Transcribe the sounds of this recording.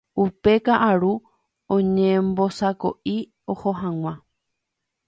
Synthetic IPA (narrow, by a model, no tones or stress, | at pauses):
upe̞kaʔaɾu | õɲẽmbosako̞̰ʔi | o̞hoɦãŋ̃ʷã